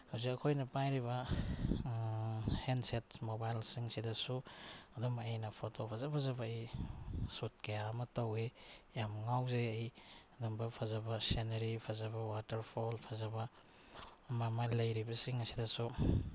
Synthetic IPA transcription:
hawzikɐkʰojnɐpajɾiβɐ | henset̚mobajlsiŋsidɐsuɐdumejnɐpʰotopʰazapʰazɐbɐj | sut̚kejamɐtowejamŋawzeːjɐdumbɐpʰazɐbɐseneɾipʰazɐbɐwatɐɾpʰolpʰazɐbɐ | mamajlɐjɾibɐsiŋɐsidɐsu

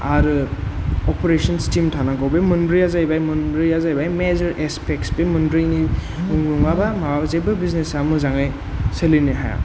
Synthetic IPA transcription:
aɾɯ | ɔpeɾesɔnstimtʰanaɡɔwbemɯnbɾiazajbajmɐnbɾiazajbajmezɔɾʔespʰekspemɯndɾini | uŋnuŋabamawabzababiznesamɯzaŋaj | seliniɦa̰ja̰

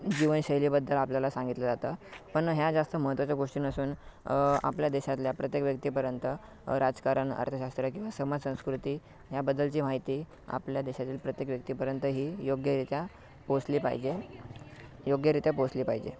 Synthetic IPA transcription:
d͡ʑiʋənɕəɦjliːbəd̪ːəlapljalasãŋɡit̪ləd͡zat̪əpəɳɦjad͡zast̪əməɦət̪ʋat͡ɕjaɡoʂʈiːnəsuːn | a̰pljad̪eɕat̪ljapɾət̪jekʋjək̚t̪iːpəɾjənt̪ə | ɾad͡zkaɾəɳə̰ɾt̪ʰəɕast̪ɾəkĩw̃ʋasəmad͡zsə̃w̃skɾut̪iː | ɦjabəd̪ːəlt͡ɕiːmaɦit̪iː | a̰pljad̪eɕat̪iːlpɾət̪jekʋjək̚t̪iːpəɾjənt̪əɦiːjoɡjəɾit̪ja | posliːpa̰ɦḭd͡ʑe | joɡjəɾit̪japosliːpaɦid͡ʑḛ

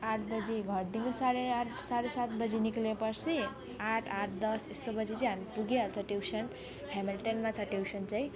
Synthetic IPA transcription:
aʈʰbʌd͡ziɡʱʌɾ̚d̪iŋɡosaɾesaɾesat̪bʌd͡ziniklepʌɾsʰi | aʈʰaʈʰd̪ʌsest̪obʌd͡zit͡siɦamipuɡelt͡sʰʌʈewsʰʌn | hamilʈenmat͡sʰʌʈewsʰʌnt͡saĩ

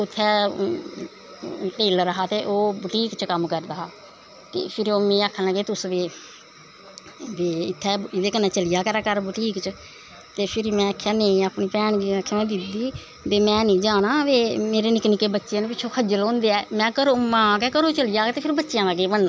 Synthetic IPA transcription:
ʊt̪ʰːɛː | ʈeːlɾəɦaːt̪eːʔoːbʈiːkt͡ʃəkəmkəɾd̪aː | t̪ḛːpʰɪɾoːmĩːaːkʰənaɡeːt̪ʊsʋeː | ʋeːɪt̪ʰːɛːɪd̪eːkənːɛ̃ːt͡ʃəlɪjaːkəɾaːkəɾbʈiːkt͡ʃ | t̪eːpʰɪɾmɛ̃ːəkʰːjaːneĩːaːpɳiːpɛːɳɡiːkʰːmɛ̃ːd̪ɪd̪iː | b̪eːmɛ̃ːnĩːd͡ʒaːnãːʋeːmeːɾeːnɪknikeːbətːʃijãnẽpɪt͡ʃʰːõːkʰəd͡ʒəlõːnd̪eɛːmɛ̃ːkəɾoːmãːkɛːkəɾõːt͡ʃəlijaːkːt̪eːpʰɪɾbətːʃɪjãːaɡeːbəɳd̪a

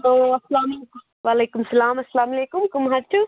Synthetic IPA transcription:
ɐloːɐsɐlaːmleku | ʋaːleːkumsɐlaːmɐsɐlaːmɐleːkʊmkʊmɦaɾt͡ʃu

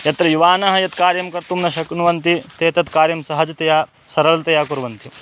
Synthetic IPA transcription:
jɐt̪ɾɐjuʋaːnɐɦɐjɐt̪kaːɾjɐmkɐɾt̪umnɐʃɐknuʋɐnt̪it̪eːt̪ɐt̪kaːɾjɐmsɐɦɐd͡ʒɐt̪ɐjaː | sɐɾɐlt̪ɐjaːkuɾʋɐnt̪i

